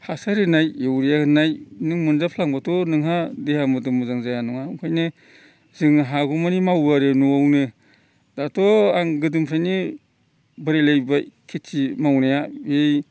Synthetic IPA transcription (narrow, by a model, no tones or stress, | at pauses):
hasaɾɯnajewɾijaɯnajnɯŋmɯnzapʰlaŋbatʰɔnɯŋɦadehamɯdɯmuzaŋzajanɔŋaŋkʰajnɯ | zɯŋɦaɡumanimawaɾɯnuawnɯ | datʰɔaŋɡɯdɯmpʰɾajni | bɯɾelajbakʰitimawnajaej